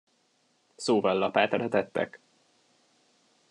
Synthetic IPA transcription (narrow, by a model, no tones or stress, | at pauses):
soːvɒlːɒpaːt̪ɾɒt̪ɛt̪ːɛ̰k